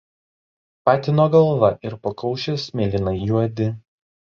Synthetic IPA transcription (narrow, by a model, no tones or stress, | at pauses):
pɑːt̪ʲɪnoːɡɐlˠʋɐʔɪɾpɐkɐʊʃʲɪsmʲeːlʲɪnɐɪjuɔd̪ʲɪ